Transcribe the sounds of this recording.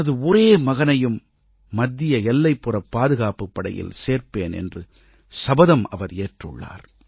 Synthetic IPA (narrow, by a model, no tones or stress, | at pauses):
ɐðɯɔɾeːmɐɣɐnɐjɯmː | ɐd̪ːɪjɐɛlːɐɪpːɯrɐpːaːðɯɣaːpɯpːɐɽɐ̰jɪ̰lseːɾpeːnɛ̰ndrɯ | sɐbɐðɐmɐ̰ʋɐɾeːʈrɯ̰ɭːa̰ːɾ